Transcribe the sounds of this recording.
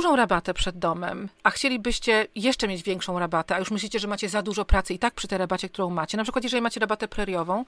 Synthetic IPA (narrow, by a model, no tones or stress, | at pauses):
uʐɔ̃w̃ɾabat̪ɛpʂɛd̪ːɔmɛ̰maxt͡ɕelʲibɘɕt͡ɕɛjɛʂt͡ʂɛmʲjed͡ʑvʲjɛŋkʂɔ̃w̃ɾabat̪ɛajuʂmɘɕlʲit͡ɕɛʐɛmat͡ɕɛzad̪uʐɔpɾat̪sɘit̪ak̚pʂɘ̥t̪ɛjɾabat͡ɕɛkt̪uɾɔ̃w̃mat͡ɕɛnapʂɘkwat̪jɛʐɛlʲimat͡ɕɛɾabat̪ɛpɾɛɾjɔvɔ̃w̃